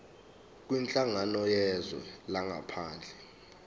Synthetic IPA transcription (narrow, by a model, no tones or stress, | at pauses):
k̬ʼwint͡ɬʼaŋanɔjɛzwɛ̰laŋa̰pʰaːnd͡ɮʱɛ